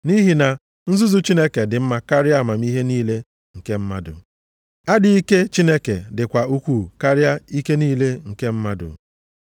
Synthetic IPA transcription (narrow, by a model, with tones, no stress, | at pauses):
ni˦ɦi˨na˨ | n̩˦zu˦zu˦t͡ʃi˦ne˦ke˨dɪ˨m̩˦ma˨ka˦ɾɪ˦a˦˨ma˨m̩i˦ɦe˦niː˦le˦ | ŋ̩˨ke˦m̩˦ma˦dʊ̰˨ | a˦dɪ˨i˦ke˦t͡ʃi˦ne˦ke˨dɪ˨kʷa˨u˦kʷuː˦˨ka˦ɾja˦i˦ke˦niː˦le˦ŋ̩˨ke˦m̩˦ma˦dʊ̰˨